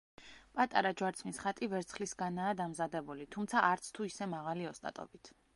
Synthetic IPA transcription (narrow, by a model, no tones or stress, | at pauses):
pʼat̪ʼaɾad͡ʒwaɾt̪sʰmisχat̪ʼivɛɾt̪sʰχlisɡanaːd̪amzad̪ɛbulit̪ʰumt̪sʰaʔaɾt̪sʰt̪ʰuisɛmaʁaliɔst̪ʼa̰t̪ʼɔ̰bit̪ʰ